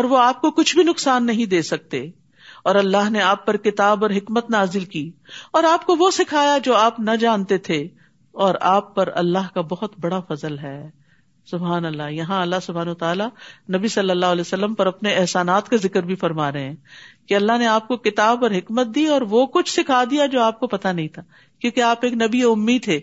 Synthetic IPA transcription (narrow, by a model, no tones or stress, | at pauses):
ɔːɾʋoaːp̚kokʊt͡ʃʰbʱinʊksaːnːɐɦĩd̪eːsɐk̚t̪eː | ɔːɾɐlːaɦneaːpːɐɾkɪt̪aːbɔːɾɦɪkmət̪naːzɪlkiːɔːɾaːp̚koʋosɪkʰaːjad͡ʒoːaːpnɐd͡ʒãːnt̪et̪ʰe | ɔːɾaːpːɐɾɐ̰lːaɦkabɐɦʊt̪bɐɽafɐzəlɦɛː | sʊbɦaːnɐlːajɐɦãɐlːasʊbʱɦaːnɐət̪aːlanɐbisɐlːəlːaːɦlɛːsɐlːəmpɐɾɐpneɛɦsaːnaːt̪kazɪkəɾbʱifɐɾmaːɾɐɦeɛ̃ːkeɐlːaɦneaːp̚kokɪt̪aːbɔːɾɦɪkmət̪̚d̪iɔːɾʋokʊt͡ʃʰsɪkʰaːd̪ijad͡ʒoːaːp̚kopɐt̪anɐɦĩt̪ʰaː | kjõːkeaːpeːknɐbieʊmːiːd̪t̪ʰeː